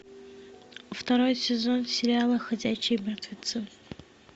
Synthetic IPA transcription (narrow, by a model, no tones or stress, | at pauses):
ft̪ɐɾo̞jsʲɪzonsʲɪɾʲɪalˠɐxɐd͡zʲæɕɪjmʲɛrt̪vʲɪt̪sɨ